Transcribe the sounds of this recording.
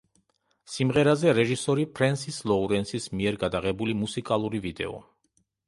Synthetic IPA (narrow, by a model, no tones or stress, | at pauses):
simʁɛɾazɛɾɛʒisɔɾipʰɾɛnsislˠɔuɾɛnsismiɛɾɡad̪aʁɛbulimusikʼalˠuɾivid̪ɛ̰ɔ̰